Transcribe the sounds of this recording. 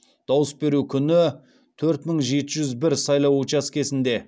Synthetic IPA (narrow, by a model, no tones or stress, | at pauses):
d̪̥ɑwəsbe̞ɾukʲʰʏnɪ | t̪ʰɵɾt̪məɴʒe̞t̪ɪʒʏzbɪɾsɑjlˠɑwut͡ʃaskʲe̞sɪnd̪e̞